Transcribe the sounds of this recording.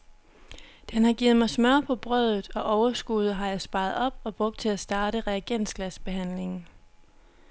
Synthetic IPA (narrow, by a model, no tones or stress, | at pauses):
d̥enhɑ̈ɡ̥iːð̩ˠmɑ̈ɪsmɶɐ̰pʰɒ̽b̥ʁœðˠð̩ˠɒ̽ʔɒʊɐsɡ̥uð̞ˠəɦɑ̈jɑ̈ɪsb̥ɑ̈ɪðˠɒ̽b̥̚ɒ̽b̥ʁɔ̽ɡ̥̚d̥̚t͡sʰe̝læsd̥ɑ̈ːɾ̥əʁɛæɡ̥en̰sɡ̥læsb̥e̝ɦæn̰le̝ŋn̩